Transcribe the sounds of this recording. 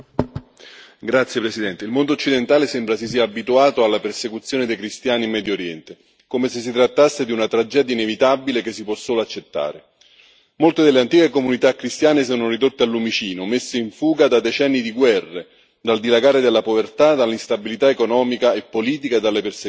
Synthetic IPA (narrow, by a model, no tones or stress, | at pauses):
ɡɾat̪sːjepɾesid̪ɛnt̪eilmond̪oːt͡ʃːid̪ent̪aːlesɛmbɾas̬is̬iːaːbit̪uaːt̪oalːapersekut̪sːjoːned̪ejkɾist̪jaːnimːɛːd̪joɾjɛnt̪e | komeses̬ːit̪ɾat̪ːasːed̪iunat̪ɾad͡ʒɛːd̪jainevit̪abilek̟esːipwɔsːoːloat͡ʃːet̪ːa̰ːɾe | molt̪ed̪elːeant̪iːkekomunit̪akːɾist̪jaːnesɔːnorid̪ot̪ːealːumit͡ʃiːnomesːeiɱfuːɡad̪ad̪et͡ʃɛnːid̪iɡwɛrːe | d̪ald̪ilaɡaːɾed̪elːapovert̪ad̪alːist̪abilit̪aekonɔːmikaepːoliːt̪̬ikad̪alːepers